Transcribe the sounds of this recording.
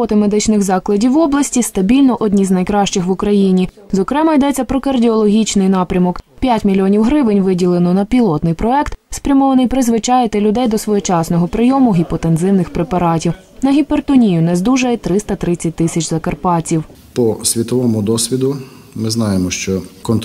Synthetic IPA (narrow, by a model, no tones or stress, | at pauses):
ɔt̪ɪmed̪ɪt͡ʃnɪxzɑklˠɐdʲiwɔblˠɐsʲtʲist̪ɐbʲilʲnɔʔɔdʲnʲiznɐjkɾɑʃt͡ʃɪxʋʊkɾɐjinʲi | zɔkɾɛmɐjd̪ɛt͡sʲːɐpɾɔkɐrdʲiɔlˠɔɦʲit͡ʃnɪjnɑpɾʲɐmɔkpʲjatʲmʲilʲiɔnʲiwɦɾɪʋɪnʲʋɪdʲilˠenɔnɐpʲilˠɔt̪nɪjpɾɔɛkt̪spɾʲɐmɔʋɐnɪjpɾɪzʋɪt͡ʃɑjet̪ɛlʲʊd̪ɛjd̪ɔsʋɔjɛt͡ʃɑsnɔɦɔpɾɪjɔmʊɦipɔt̪enzɪwnɪxpɾepɐɾɑtʲiw | nɐɦʲipert̪ɔnʲijʊnɛzd̪uʒɐjɛt̪ɾɪst̪ɐt̪ɾɪt͡sʲːɐt̚ʲt̪ɪsʲɐt͡ʃzɐkɐrpɑt͡sʲiw | pɔsʲʋʲit̪ɔʋɔmʊd̪ɔsʲʋʲid̪ʊ | mɪznɑjemɔʃt͡ʃɔkɔnt̪